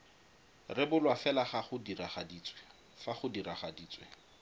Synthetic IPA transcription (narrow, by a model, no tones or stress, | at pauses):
rɪbʊlwafɛlaχaχʊdiraχadiːt͡swɛ | faχʊdiɾaχadiːt͡sʼwɛ̰